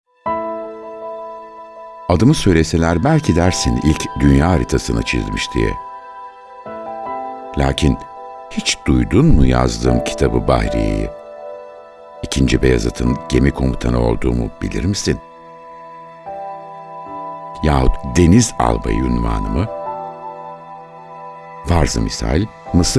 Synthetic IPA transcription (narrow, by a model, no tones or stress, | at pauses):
ad̪ɯmɯsøjlʲe̞se̞lʲæɾbælʲcʰid̪æɾsinilʲcd̪ynjaːɾit̪ʰasɯnat͡ʃʰizmiʃd̪ʰijɛ̰ | lʲaːcʰinhit͡ʃd̪̥ujd̪unmuja̰zd̪ɯ̰mcʰi̥t̪ʰabɯba̰hɾḛjḭ | icʰind͡ʒibejazat̪ʰɯnɟ̥e̞mikʰo̞mut̪ʰanɯo̞̰lˠd̪uːmub̥ilʲḭɾmisin | jaːhut̪d̪e̞niza̰lˠba̰jynva̰ːnɯmɯ | vaɾzɯmisa̰ːilʲ | mɯsɯ